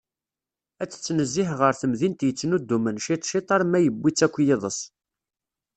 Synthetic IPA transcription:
æt͡sːt͡sːnəzːɪħʁəɾθəmðint̪jət͡sːənud̪ːumənʃit̪ˤʃit̪ˤɑɾˤmæjəbʷːit͡sːækʷːjɪðˤəs

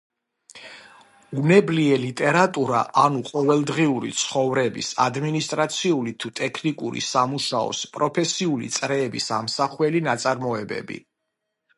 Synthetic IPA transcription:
unɛbliɛlit̪ʼɛɾat̪ʼuɾa̰ʔanuqʼɔvɛlˠd̪ʁiuɾḭt̪sʰχɔvɾɛbḭsa̰d̪minist̪ʼɾat̪sʰiulit̪ʰut̪ʼɛkʰnikʼuɾḭsamuʃaɔ̰spʼɾɔpʰɛsiulḭt̪sʼɾɛːbisamsaχwɛlinat̪sʼaɾmɔɛbɛ̰bḭ

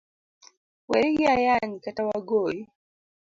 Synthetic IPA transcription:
wɛɾiɡiajaɲkatawaɡoji

